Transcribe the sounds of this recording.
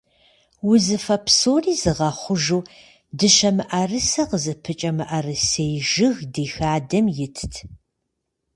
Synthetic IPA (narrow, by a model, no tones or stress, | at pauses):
wʊzɨfɐpʰsoːriːzɨʁɐχʷʊʒuː | dɨʃɐmɨʔɐrɨsɐqəzɨpʰɨt͡ʃʼɐmɨʔɐrɨsejʒɪɣdeːxaːdɐmjɪtʰtʰ